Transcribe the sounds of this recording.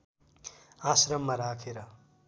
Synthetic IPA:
asɾʌmːaɾakʰeɾʌ

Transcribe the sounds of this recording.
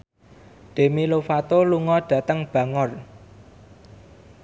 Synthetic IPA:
ɖ̪̥e̤milofat̪oluŋɔɖ̥ä̤t̪əŋb̥ä̤ŋɔr

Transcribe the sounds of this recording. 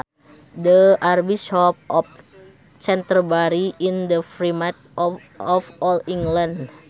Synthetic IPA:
dəarbiʃɔp̚ɔf̚ | t͡ʃɛnt̪ərbaɾiindəfɾimat̪̚ | ɔfɔliŋɡland

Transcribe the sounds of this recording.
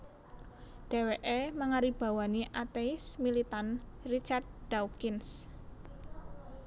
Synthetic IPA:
ɖ̥e̤weʔeməŋaɾib̥a̤waniʔat̪esmilit̪anrit͡ʃard̪̚ɖ̥awkɪns

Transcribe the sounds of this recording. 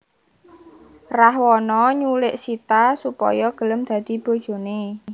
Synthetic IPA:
rahwɔnɔɲulɪʔsit̪asupɔ̰jɔɡ̥ə̤ləmd̪̥ä̤d̪̥i̤b̥o̤d̥ʒ̥o̤ne

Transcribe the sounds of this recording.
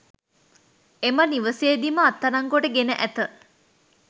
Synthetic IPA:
eməniʋəseːd̪iməɐt̪ːɐɾɐŋɡoʈəɡenəʔæt̪ə

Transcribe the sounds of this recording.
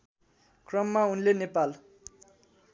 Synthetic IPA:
krʌmːaunlenepal

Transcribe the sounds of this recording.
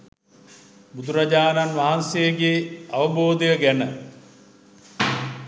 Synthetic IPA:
bud̪uɾad͡ʒaːnanʋaɦansejəɡeaʋəboːd̪ejəɡænə

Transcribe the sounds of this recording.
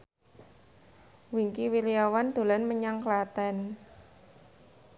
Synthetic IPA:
wiŋkiwiliawand̪̥o̤lanməɲaŋklat̪ɛn

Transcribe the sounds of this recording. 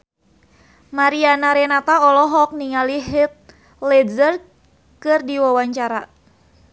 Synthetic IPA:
maɾianaɾɛnat̪aɔlɔɦɔk̚niŋaliɦit̪̚ | lɛzər | kɨrdiwawaɲt͡ʃaɾa

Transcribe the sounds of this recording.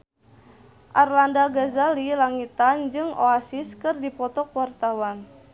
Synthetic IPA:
ʔarlandaɡazalilaŋit̪and͡ʒɨŋo̰asɪskɨrdipɔt̪ɔkwart̪awan

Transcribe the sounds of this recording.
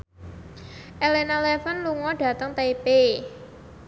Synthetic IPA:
ʔɛlenalɛfənluŋɔɖ̥ä̤t̪əŋt̪epe

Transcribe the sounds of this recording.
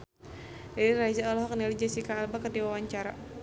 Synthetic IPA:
dadiɾad͡ʒaɔlɦɔk̚nilid͡ʒasikaːlbakədiwawaɲt͡ʃaɾa̰

